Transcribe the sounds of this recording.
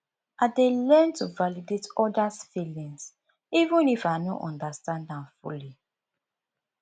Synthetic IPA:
adelɛntuvalidetɔdasfilĩns | ivũnifanɔ̰ʔɔ̃ndastãndãmfuli

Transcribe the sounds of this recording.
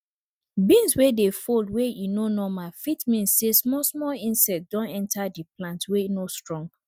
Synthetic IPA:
bĩnswedefoldwejinonɔmafitmĩnssesmɔsmɔlĩnsɛk̚t̚d̥ɔ̃nɛ̃ntʰadiplãntwejinostɹɔ̃ŋɡ

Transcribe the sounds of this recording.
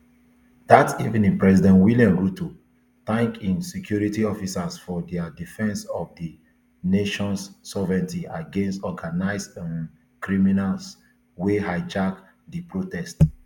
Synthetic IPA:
dativĩnĩŋpɹɛzidɛ̃ntwiljãmɹuto | θãŋkĩnsɛkʰjuɹitiɔfisasfɔdɛadifɛ̃nsɔfdi | neʃɔ̃nsːɔvɹɛ̃ntiaɡẽnstɔɡanaɪsã | kɹiminals | wehaɪd͡ʒak | dipɹotɛst

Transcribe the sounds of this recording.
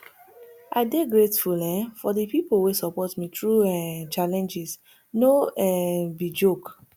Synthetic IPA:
ʔaɪdeɡɹetfulɛ̃fɔdəpipowesɔpɔtmitʰɹuɛ̃t͡ʃalɛ̃nd͡ʒis | noɛbid͡ʒok

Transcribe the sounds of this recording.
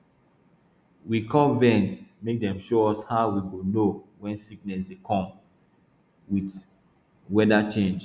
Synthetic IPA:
wikʰɔlvɛ̃nsmek̚dɛ̃mʃoɔshaʊwiɡonowɛ̃nsiknɛsdekʰɔ̃m | wit | wɛdat͡ʃẽnd͡ʒ

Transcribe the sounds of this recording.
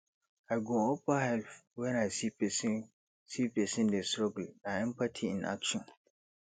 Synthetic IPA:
aɡɔ̃ɔpahɛlfwɛ̃nasipɛsi | sipɛsɪ̃ndɛstɾɔɡlaɛ̃mpatʰiɪ̰̃nʔa̰kʃɔ̃n

